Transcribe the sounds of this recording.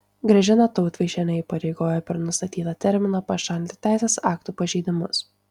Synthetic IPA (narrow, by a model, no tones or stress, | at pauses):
ɡɾʲɐʒʲɪnɐt̪ɔʊt̪ʋʲɛʃʲɛnʲɐiːpɐɾʲɛɪɡoːjɛpʲɛɾnʊst̪ɐt̪ʲiːt̪ɐt̪ʲɛɾʲmʲɪnɐpɐʃɐlʲt̪ʲɪ̥t̪ʲæˑɪsʲeːsɑːkt̪uːpɐʒʲɛɪd̪ʲɪmʊs